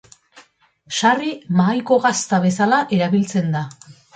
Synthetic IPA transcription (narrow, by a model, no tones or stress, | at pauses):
ʃarimaːjko̞ɣast̪aβ̞e̞salaʔe̞ɾaβilt͡se̞nd̪a